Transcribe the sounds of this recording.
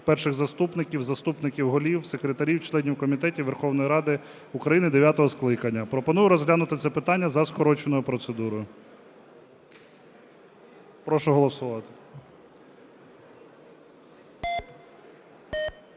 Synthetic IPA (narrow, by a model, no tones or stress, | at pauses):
pɛrʃɪɣzɐst̪upnɪkʲiwzɐst̪upnɪkʲiwɦɔlʲiwsekɾet̪ɐɾʲiwt͡ʃlˠɛnʲiwkɔmʲit̪ɛtʲiwʋerxɔwnɔjiɾɑd̪ɪ | ukɾɐjinɪd̪eʋʲjat̪ɔɦɔsklˠɪkɐnʲːɐpɾɔpɔnujʊɾɔzɦlʲanʊt̪ɪt̪sɛpɪt̪ɑnʲːɐzɐskɔɾɔt͡ʃenɔjʊpɾɔt̪sed̪uɾɔjʊ | pɾɔʃʊɦɔlˠɔsʊʋɑt̪ɪ̥